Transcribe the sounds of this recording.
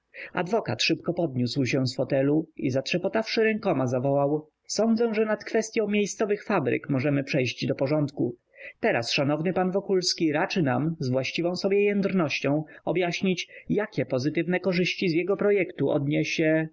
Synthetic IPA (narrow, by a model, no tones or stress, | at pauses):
a̰d̪vɔkat̪ʂɘpkɔpɔd̪̚ɲuswɕɛsfɔt̪ɛluḭzat̪ʂɛpɔt̪afʂɘɾɛŋkɔmazavɔwaw | sɔnd̪zɛ̃ʐɛnat̪kfɛst̪ʲjɔ̃w̃mʲjejst̪sɔvɘxfabɾɘ̰kmɔʐɛmɘpʂɛjʑd͡ʑd̪ɔpɔʐɔnt̪ku | t̪ɛɾa̰sʂanɔvnɘpanvɔkulskʲiɾat͡ʂɘnamzvwaɕt͡ɕivɔ̃w̃sɔbʲjɛjɛnd̪ɾnɔɕt͡ɕɔ̃w̃ɔbjaɕɲit͡ɕjakʲɛpɔzɘt̪ɘvnɛkɔʐɘɕt͡ɕizjɛɡɔpɾɔjɛkt̪uʔɔ̰d̪ɲeɕɛ